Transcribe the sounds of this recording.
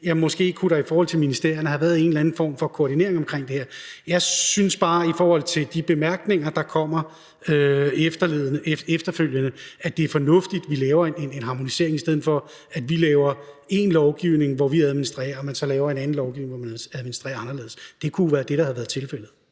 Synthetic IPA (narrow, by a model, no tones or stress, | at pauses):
jɑmɒ̽sɡ̥e̝̰ːkʰuɾɑ̈ifɒːhɒ̽l̰t͡sʰe̝minisd̥e̝ɐ̰jɐnəɦæʋæːɐðˠe̝n̩lænn̩fɒ̰ːmfɒ̽kʰo̝ːd̥ine̝̰ɐeŋɒ̽mkʰʁeŋ̰d̥e̝heɐ̰jɑ̈ɪsynsb̥ɑ̈ːifɒːhɒ̽l̰t͡sʰe̝ld̥ib̥e̝mæɐɡ̥ne̝ŋɐd̥ɑ̈kʰɒ̽m̰ɐ | øefd̥ɐleðˠnəeefd̥ɐføl̰jənəæd̥e̝æɐfɒ̽nɔ̽fd̥id̥ʋilɛːʊɐenenenɦɑ̈mo̝nise̝̰ɐ̰e̝ŋisd̥eð̰̩ˠfɒ̽ | æd̥ʋilɛːʊɐ | e̝nlɒʊɡ̥iʊne̝ŋʋɒʋiæð̞ˠminisd̥ʁɛ̰ːɐːmænsɒ̽lɛːʊɐenæn̩lɒʊɡ̥iʊne̝ŋʋɒmænæðˠminisd̥ʁɛ̰ːɐɑ̈nɐle̝ð̩ˠsd̥e̝kʰuʋæːɐd̥e̝ɾ̥ɑ̈hæðʋæːɐðˠt͡sʰe̝lfel̰ð̩ˠ